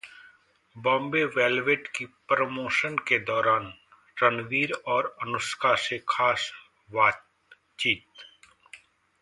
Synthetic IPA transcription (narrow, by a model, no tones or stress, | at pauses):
bɔ̃ːmbeʋeːlʋeːʈkipɾəmoːʃənked̪ɔːɾaːn | ɾənʋiːɾɔːɾɐnʊskʰasekʰaːs | ʋaː | t͡ʃiːt̪